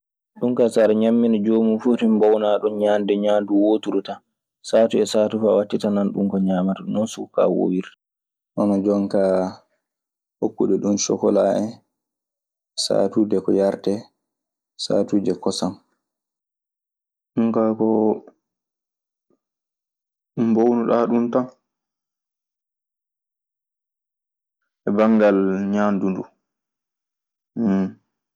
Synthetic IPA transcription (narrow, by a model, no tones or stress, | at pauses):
ɗuŋkasaɾɛɲamːinɛd͡ʒoːmufutimbɔwnaɗɔnɲandɛɲaːnduwotuɾuta | saːtuɛsaːtufawatːitananɗuŋkɔɲaːmatanɔnsuka̰wo̰wiɾta | ʔɔnɔd͡ʒɔŋka | hokːuɗɛɗunʃɔ̰kɔ̰laːɛ | sa̰ːtuːdɛkɔjaɾtɛ | sa̰ːtuːdɛkɔsam | ɗuŋkakɔ | ɗumbownuɗaɗunta | ʔɛbaŋɡalɲaːndundu